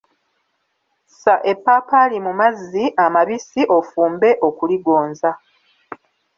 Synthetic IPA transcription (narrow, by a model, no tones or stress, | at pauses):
saʔe̞pːaːpalimumazːiʔamaβisiʔo̞fuːmbe̞ʔo̞kuliɡo̞ːnza